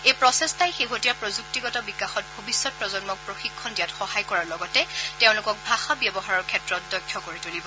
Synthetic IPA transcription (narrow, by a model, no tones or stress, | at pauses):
ejpɹɔsɛstajxeɦotijapɹɔzuk̚tiɡɔtɔbikaxɔt̚bʱobisːɔt̚pɹɔzɔnmɔk̚pɹoxikʰːɔndijatxɔhajkɔɹaɹlɔɡɔtɛteʊ̃lʊkɔk̚bʱaxabjɛbɔɦaɹɔɹkʰɛtɹɔt̚dɔjkʰjɔkoɹitolibɔ